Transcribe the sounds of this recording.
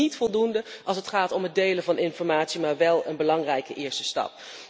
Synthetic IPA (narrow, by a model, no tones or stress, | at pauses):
itfɔlˠdundəʔɑlˠsətχaːtɔmɦəd̚dejləvɑnɪnfɔɹmaːtsimaːɹʋɛlˠənbəlɑŋrɛjkəʔɪːɹstəstɑ̰p̚